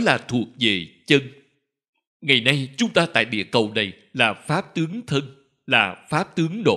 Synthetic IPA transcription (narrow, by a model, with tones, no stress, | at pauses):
laː˨˩t̪ʰu˨˩ək̚ve˨˩t͡ɕə˧n | ŋa˨˩jna˧jt͡ɕʊ˨˦ŋ͡mt̪aː˧t̪a̰ː˧˨jɗḭ˧˩˥əkə˨˩wna˨˩j | laː˨˩faː˦˥p̚t̪ɨ˨˦əŋt̪ʰə˧n | laː˨˩faː˦˥p̚t̪ɨ˨˦əŋɗo̰˧˨